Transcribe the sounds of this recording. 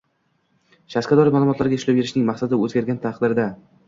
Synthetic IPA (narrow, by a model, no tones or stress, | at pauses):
ʃaskʲad̪ɒɾɪmaːlˠʊmɒt̪laɾɡʲaɪʃlapje̞ɾɪʃnɪŋmaχsad̪ɪɵzɡʲaɾɡʲant̪ʰaqd̪ɪɾd̪a